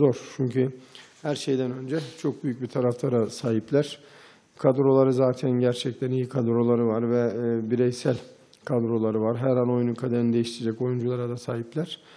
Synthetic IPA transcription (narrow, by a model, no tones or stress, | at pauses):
zo̞ɾt͡ʃʰyɲcʰy | hæɾʃe̞jd̪ænønd͡ʒɛt͡ʃʰo̞k̚byjyc̚bit̪ʰaɾaflˠaɾasaːɦiplʲæɾ̥ | kʰad̪ɾo̞lˠaɾɯzaːt̪ʰænɟæɾt͡ʃʰɛc̚t̪ʰænijikʰad̪ɾo̞lˠaɾɯvaɾvɛbiɾɛjsælʲ | kʰad̪ɾo̞lˠaɾɯvaɾɦæɾano̞junukʰad̪eɾinid̪ejiʃt̪ʰiɾed͡ʒɛco̞jund͡ʒulˠaɾad̪asaːɦiplʲæɾ̥